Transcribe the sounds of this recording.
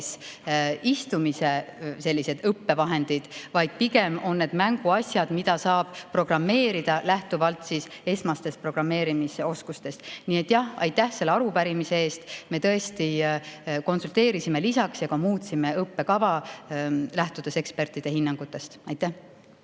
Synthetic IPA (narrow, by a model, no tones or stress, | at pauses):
s | ist̪umisese̞lʲːise̞d̪̥ɤpːe̞vɑɦe̞nd̪̥id̪̥vɑjd̪̥̚piɡe̞mo̞nːe̞d̪̥mæŋɡ̥uɑsʲjɑd̪̥mid̪̥ɑsɑːb̥pro̞ɡrɑmːe̞ːɾid̪̥ɑlæht̪uvɑlt̪ˑsise̞smɑst̪e̞st̪̚pro̞ɡ̥rɑmːe̞ːɾimiso̞skust̪e̞st̪nie̞t̪ːˑjɑhɑ̰jt̪ːˑæhse̞lːeɑɾupæɾimise̞e̞ːst̪me̞t̪ɤ̞e̞st̪i | ko̞nsult̪e̞ːɾisime̞lisɑksjɑkɑmuːt̪ʲsime̞ɤpːe̞kɑvɑ | læht̪ud̪̥ese̞kspe̞rt̪ˑid̪̥e̞hinːɑŋɡ̥ut̪ːˑe̞st̪ɑjt̪ːˑæh